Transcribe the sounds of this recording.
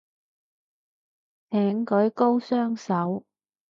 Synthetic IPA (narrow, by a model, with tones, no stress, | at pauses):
t̪ʰɛː˨˥ŋkɵ˨˥jko˥wsœː˥ŋsɐ˨˥w